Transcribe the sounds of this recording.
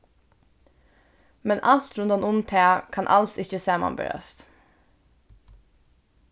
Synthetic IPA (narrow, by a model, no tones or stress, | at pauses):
mɛnʔɑlt̪ɾʉnd̪ɑnʊmt̪ʰeːkʰɑnʔɑlsɪçəseːmɑ̰mbə̰ɾœ̰st̪